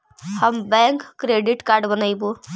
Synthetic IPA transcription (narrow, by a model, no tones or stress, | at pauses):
həmbɛ̃ŋkːɾeɖiʈkaɾɖbənajbu